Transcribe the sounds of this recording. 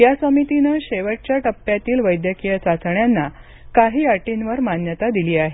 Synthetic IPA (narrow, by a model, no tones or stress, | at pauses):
jasəmit̪inəɕeʋəʈ̚t͡ɕjaʈəpːjat̪iːlʋəjd̪jəkijət͡sat͡sɳjanːa | kaɦiːaʈinʋəɾmanjət̪ad̪iliːaɦe